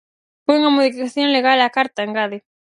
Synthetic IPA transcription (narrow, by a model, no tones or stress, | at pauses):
fojuŋamoðifikaθjoŋleɣalakaɾt̪aeŋɡaðe